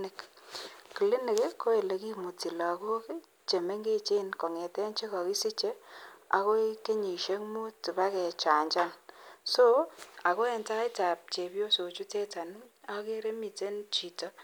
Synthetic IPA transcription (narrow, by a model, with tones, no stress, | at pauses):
nɪ˨k | ki˨li˦nɪ˨kɪ˦kːo˦e˨le˨ki˦mu˨ti˨la˨ko˦k | t͡ʃe˨me˦ŋɡe˦t͡ʃe˦nko˨ŋe˨tɛ˦nt͡ʃe˦ka˨ki˦si˦t͡ʃe˦a̰˨ko˦i˦ke˦ɲi˨ʃe˦kmu˦tu˨ba˦kɛ˨t͡ʃa˨ɲt͡ʃa˦ŋso˦a˨ko˦ɛ˨nta˦i˦ta˨p̚t͡ʃe˨pjo˦so˨t͡ʃu˦te˦ta˨n˦a˦ke˦ɾe˦mi˨te˦nt͡ʃi˨tɔ˦